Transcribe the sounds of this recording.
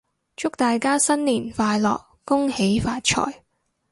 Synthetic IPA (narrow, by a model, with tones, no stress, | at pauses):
t͡ʃʊ˥k̚t̪aː˨jkaː˥sɐ˥nliː˨˩nfaː˧jlɔ̰ː˨k̚ːʊ˥ŋhe˨˥jfaː˧t̚t͡ʃʰɔ̰ː˨˩j